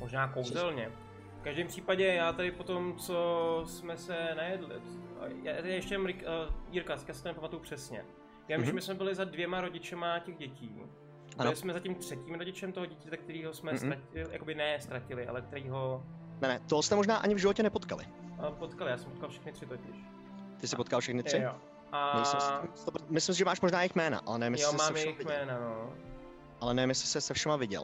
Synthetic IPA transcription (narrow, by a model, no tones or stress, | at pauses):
moʒnaːkowzɛlɲɛ | fkaʒdɛːmpr̝̥iːpaɟɛjaːt̪adɪpo̞t̪o̞mt͡sosmɛsɛnajɛdlɪ̰jat̪ɛdɪjɛʃcɛmɾɪkiːɾkaskjaːsɪ̥t̪onɛpamat̪ujupr̥ɛsɲɛ̰ | jaːvimʒɛmɪsmɛbɪlɪzadvjɛmaɾo̞ɟɪt͡ʃɛmacɛɣɟɛciː | ɪsmɛzacimt̪r̝̥ɛciːmɾoɟɪt͡ʃɛmt̪oɦoɟɛcɛt̪ɛk̚t̪ɛɾiːɦo̞smɛst̪ɾacɪja̰kobɪnɛst̪ɾacɪlɪʔa̰lɛk̚t̪ɛɾiːɦo̞nɛnɛt̪oɦost̪ɛmoʒnaːʔaɲɪvʒɪvocɛnɛpot̪kalɪ̰əpot̪kalɪjaːsɛmpot̪kalfʃɛ̥xnɪt̪r̥ɪt̪ocɪʃ | t̪ɪsɪo̞t̪̚kalfʃɛxnɪt̪rɪo | amsɪt̪opmɪslɪms̬ɪʒɛmaːʃmo̞ʒnaːjɪxmɛːna̰ʔa̰lɛnɛvɪmjjɪosmaːɛɛʃɛjmɪxvɪmɛːnano | ʔalɛnɛmjɛsɪ̥sɛsɛfʃɛmavɪɟɛ̰l